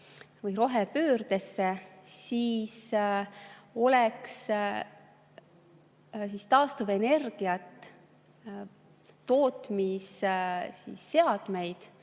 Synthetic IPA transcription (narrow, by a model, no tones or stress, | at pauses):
vɯjɾo̞ɦepøːrd̪̥e̞sːesiːs | o̞leks | sist̪ɑːst̪uve̞ne̞rɡ̥iɑt̪ːˑ | o̞ːt̪missḭːsːe̞ɑd̪̥me̞jd̪̥